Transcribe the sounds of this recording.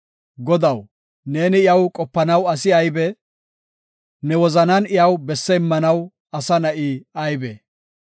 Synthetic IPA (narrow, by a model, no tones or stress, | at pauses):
ɡɔd̪ɐw | ne̞ːnɪɪjɐwkʼɔpːɐnɐwɐs̬ɪɐjbɛ | nɛwɔzɐnɐnɪjɐwbɛsːɛɪmːɐnɐw | ɐsɐnɐʔiːɐjbɛ